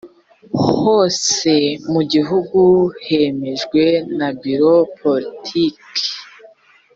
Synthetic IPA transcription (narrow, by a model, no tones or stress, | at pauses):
ho̞ːse̞muɟiɦuɡuhe̞me̞ʒɡwe̞nabiɾo̞pʰolitʰik